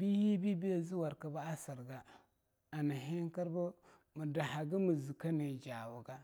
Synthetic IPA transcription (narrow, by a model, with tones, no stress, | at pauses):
bi˦hi˦bi˦bi˦ja˨zi˦wa˨ɾka˨ba˦a˦sə˨ɾɡa˦ | a˨nə˨ɦe˦ŋkə˦ɾbə˦ | mə˨da˨ha˨ɡə˦mə˨zi˨ka˦ne˨d͡ʒa˨wu˨ɡa˦